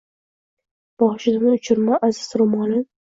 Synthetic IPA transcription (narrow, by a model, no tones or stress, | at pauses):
b̥ɒχʃɪd̪ɪmɪʊt͡ʃʰɪɾmaʔazɪzɾʊmɒnɪ